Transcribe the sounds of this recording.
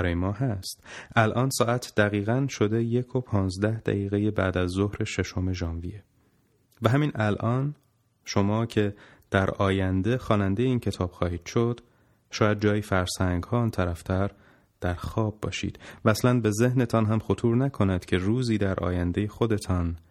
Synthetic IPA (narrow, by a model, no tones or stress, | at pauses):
æɾɒːjemɒːɦæst̪ʔælʔɒːnsɒːʔæt̪ʰd̪̥æɣiːɣænʃo̞d̪eje̞kʰo̞pʰɒːnzd̪æhd̪̥æ̰ɣiːɣe̞jebæ̰ːd̪æzːohɾe̞ʃe̞ʃo̞me̞ʒɒːnvije̞ | væɦæmiːnʔælʔɒːn | ʃo̞mɒːcʰe̞d̪̥æɾɒːjænd̪e̞xɒːnænd̪e̞jeiːncʰe̞t̪ʰɒːb̥xɒːhiːd̪̥ʃo̞d̪̥ | ʃɒːjæd̪̚d͡ʒɒːjifæɾsæŋɡhɒːɒnt̪ʰæɾæft̪ʰæɾ | d̪̥æɾxɒːb̚ːɒ̰ːʃḭːd̪̥væːslænbe̞ze̞hne̞t̪ʰɒnɦæmxo̞t̪ʰuːɾnækʰo̞næd̪̥cʰe̞ruːziːd̪æɾʔɒ̰ːjænd̪e̞je̞xo̞d̪e̞t̪ʰɒːn